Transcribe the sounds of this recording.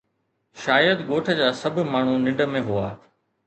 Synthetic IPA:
ʃaːjəd̪ɡoːʈʰə̆d͡ʑaːsɐbʱmaːɳ̤unɪ̃ɳɖəmẽɦuaː

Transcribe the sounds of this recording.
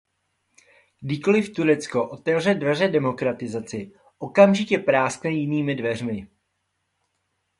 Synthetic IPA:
ɡdɪko̞lɪft̪uɾɛt͡sko̞ʔo̞t̪ɛvr̝ɛdvɛr̝ɛdɛmo̞kɾat̪ɪzat͡sɪ | ʔo̞kamʒɪcɛpɾaːsknɛjɪniːmɪdvɛr̝mɪ

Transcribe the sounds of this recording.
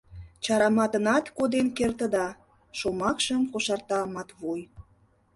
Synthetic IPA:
t͡ɕɑɾɑmɑt̪ə̆nɑt̪kod̪enkert̪ə̆d̪ɑ | ʃomɑkʃəmkoʃɑrt̪ɑmɑt̪βoj

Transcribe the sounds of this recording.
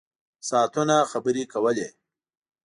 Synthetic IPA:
sɑːt̪unaxabəɾikawəle

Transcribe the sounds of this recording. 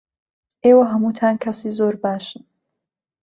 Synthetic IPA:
ʔeːwɐɦɐmuːt̪ʰaːnkʰɐsiːzoːɾbaːʃɨn

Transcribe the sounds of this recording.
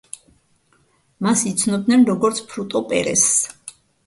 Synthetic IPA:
masit̪sʰnɔb̚d̪nɛnɾɔɡɔɾt̪sʰpʰɾut̪ʼɔpʼɛ̰ɾɛ̰s

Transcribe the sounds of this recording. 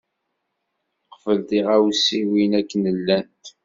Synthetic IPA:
qfəlθiʁæwsiwinækːnəlːænt̪

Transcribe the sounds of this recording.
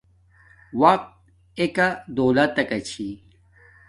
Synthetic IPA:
wɐq̚t̪̚ | ekad̪oːlat̪ɐkɐt͡ɕʰi

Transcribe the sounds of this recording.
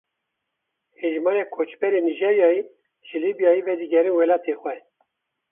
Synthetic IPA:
heʒmɑːɾekʰot͡ʃbɛɾeːniʒeɾjɑːji | ʒɨlibijɑːjivɛd̪iɡɛɾɨnwɛlɑːt̪ʰeːxwɛ

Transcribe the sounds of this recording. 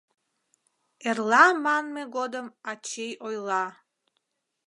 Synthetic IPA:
erlˠɑmanmeɡod̪əmat͡ʃʰejojlˠɑ

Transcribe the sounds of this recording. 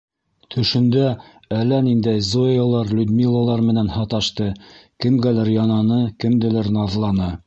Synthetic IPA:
t̪ʰɵ̆ʃɘ̆nd̪æ | ælːænind̪æjzoolˠɑɾlʲud̪mʲilˠːalˠɑɾmɘ̆nænhɑt̪ɑʃt̪ɤkɘ̆mɡælæɾjɑnɑnɤkɘ̆md̪ɘ̆læɾnɑðlˠɑnɤ

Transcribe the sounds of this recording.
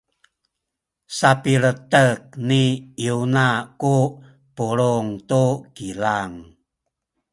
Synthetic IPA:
sapiɾətək̚niiunaku | puɾuŋt̪ukilaŋ

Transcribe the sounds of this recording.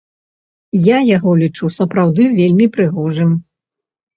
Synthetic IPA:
jajaɣɔlʲit͡ʂusɐpɾawd̪ɨvʲelʲmʲipɾɨɣɔʐɨm

